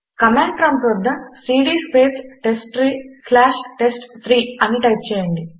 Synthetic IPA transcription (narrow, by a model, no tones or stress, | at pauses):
kɐmeːɳʈɾɐmʈɾod̪ːɐsiːɖiːspʰeːsʈesʈɾiːslaːʃʈesʈt̪ʰɾiːɐniʈɐjp̚t͡ʃɛːjɐɳɖi